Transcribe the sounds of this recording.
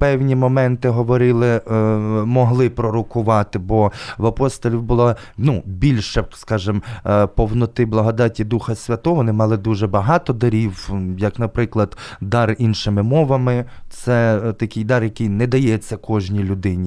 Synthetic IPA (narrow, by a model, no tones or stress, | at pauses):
pɛwnʲimɔmɛnt̪ɪɦɔʋɔɾɪlˠɪ | mɔɦlˠɪpɾɔɾʊkʊʋɑt̪ɪbɔʋɐpɔst̪ɔlʲiwbʊlˠɑ | nubʲilʲʃɛskɑʒɪmpɔwnɔt̪ɪblˠɐɦɔd̪ɑtʲid̪uxɐsʲʋʲɐt̪ɔʋɔnɪmɑlˠɪd̪uʒɛbɐɦɑt̪ɔd̪ɐɾʲiwjɐknɐpɾɪklˠɐd̪d̪ɑrinʃɪmɪmɔʋɐmɪt̪sɛt̪ɐkʲɪjd̪ɑrjɐkɪjnɛd̪ɐjɛt͡sʲːɐkʰɔʒnʲilʲʊd̪ɪnʲi